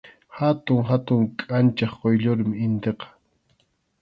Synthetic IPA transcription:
hat̪ʊŋɦat̪ʊŋkʼant͡ʃɑχqojʎoɾmɪɪnt̪eqɑ̥

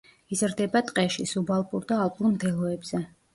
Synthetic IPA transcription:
izɾd̪ɛbat̪ʼqʼɛʃisubalˠpʼuɾd̪aːlˠpʼumd̪ʰɛlˠɔɛbz̥ɛ

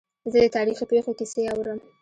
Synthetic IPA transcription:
zəd̪ət̪ɑɾixipexokiseawɾəm

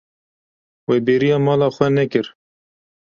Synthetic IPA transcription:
weːbeːɾijɑːmɑːlɑːxʷwɛnɛkɨɾ

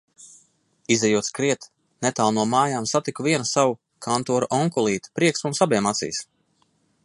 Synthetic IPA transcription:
izɛjuskɾiɛt̪ | nɛt̪aːlˠnuɔmaːjaːmsat̪ikuvʲiɛnusawu | kʰant̪uɔɾuʔɔŋkulˠiːt̪u̥pɾiɛksmunsabiɛmat̪sḭːs

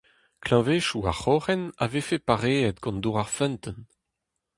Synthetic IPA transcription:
klɑ̃veːʃua̰ʁχɔʁɛna̰vefepaʁeɛt̪ɡɑ̃nd̪uʁaʁfɛ̃nt̪ən

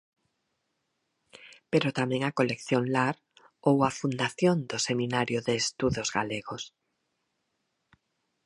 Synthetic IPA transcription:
peɾot̪amẽŋakolekθjoŋlaɾ | owafund̪aθjond̪osemĩnaɾjoðeːst̪uðozɣaleɣos

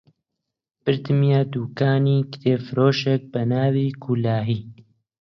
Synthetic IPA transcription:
b̥ɨɾd̪ɨmijaːd̪uːkaːniːkt̪ʰeːfɾoːʃɛk̚bɐnaːviːkʰulaːɦiː

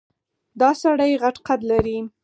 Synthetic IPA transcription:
d̪ɑsaɽajɣaʈqad̪laɾi

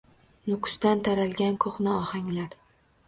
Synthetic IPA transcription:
nʊkʰʊ̥sd̪ant̪ʰaɾalɡʲankʰoχnaɒhaŋlaɾ

